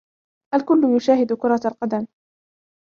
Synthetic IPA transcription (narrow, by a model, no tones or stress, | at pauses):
ʔalkʊlːʊjʊʃaːhɪd̪ʊkʊɾˤɑalqɑd̪am